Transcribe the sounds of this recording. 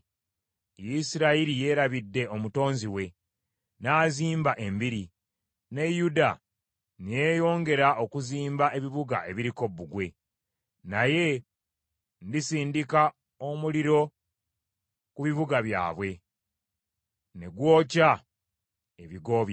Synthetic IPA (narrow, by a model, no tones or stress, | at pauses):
jisiɾaiɾije̞ːɾaβidːe̞o̞muto̞ːnziwe̞ | naːziːmbaʔe̞mbiɾi | ne̞juda | nije̞jo̞ːŋɡe̞ɾaʔo̞kuziːmbae̞βiβuɡa̰ʔe̞βiɾiko̞bːuɡwe̞ | naje̞ | ndisiːndika | omuliɾo̞ | kuβiβuɡaβja̰ːβwe̞ | ne̞ɡwo̞ːca | eβiɡo̞ːβj